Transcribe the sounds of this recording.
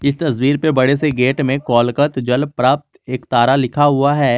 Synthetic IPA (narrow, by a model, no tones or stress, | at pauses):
ɪst̪ɐs̬wiːɾpebɐɽes̬eɡeːʈmẽkɔːlkət̪d͡ʒɐlpɾaːp̚t̪eːkt̪aːɾalɪkʰaɦʊaɦɛː